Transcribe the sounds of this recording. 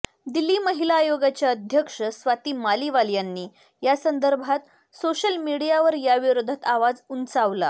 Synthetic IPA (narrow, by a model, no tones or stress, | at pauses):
d̪ilːiːməɦilaːjoɡat͡ɕjaəd̪ʱjəkʂəsʋat̪iːmaliʋaljanːiː | jasənd̪əɾbʱat̪ | soɕəlmiɽijaʋəɾjaʋiɾod̪ʱət̪aʋad͡zunt͡saʋla̰